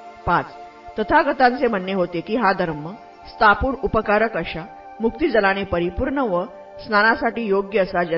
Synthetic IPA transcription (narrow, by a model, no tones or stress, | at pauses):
pat͡s | t̪ət̪ʰaɡət̪ãnt͡sem̤ənːjəɦot̪ekiːɦad̪ʱəɾmə | st̪ʰapuːnupəkaɾəkəɕa | muk̚t̪id͡zəlañepəɾipuɾɳəʋə | snanasaʈiːjoɡjəːsad͡ʑə